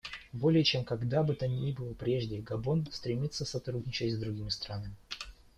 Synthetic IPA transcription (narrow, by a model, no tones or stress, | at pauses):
bo̞lʲɪjət͡ɕe̞mkɐɡd̪abɨt̪anʲibɨlˠəpɾʲe̞ʐdʲɪəɡɐbo̞nst̪ɾʲɪmʲit̪sːəsɐt̪ɾudʲnʲɪt͡ɕɪtʲzd̪ɾʊɡʲimʲɪst̪ɾanəmʲɪ